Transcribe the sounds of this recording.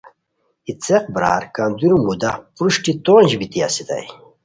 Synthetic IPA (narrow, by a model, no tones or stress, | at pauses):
it͡seq̚bɾa̰ːɾkand̪uɾumud̪apɾuʂʈit̪oːnd͡ʑbit̪ia̰sid̪ɐ̰j